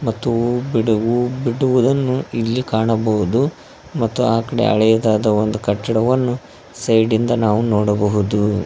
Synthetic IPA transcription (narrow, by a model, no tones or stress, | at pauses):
mɐt̪ːubiɽɐʋubiɽuʋud̪ɐnːuilːikaːɳɐbɐɦud̪u | mɐt̪ːuaːkɐɽe̞̰ʔɐ̰ɭɛjɐd̪aːd̪ɐond̪ukɐʈːɐɽɐʋɐnːu | sɐjɖind̪ɐnaːʋunɔːɽɐbɐɦud̪u